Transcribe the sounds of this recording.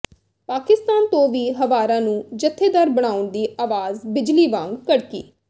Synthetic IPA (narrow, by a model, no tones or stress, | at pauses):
paːkɪst̪aːnt̪õːʋiːɦəʋaːɾãːnũːd͡ʒət̪ʰːeːd̪əɾbəɽ̃aːʊɳd̪iːʔaːʋaːzbɪd͡ʒliːʋãːŋɡkəɽkḭː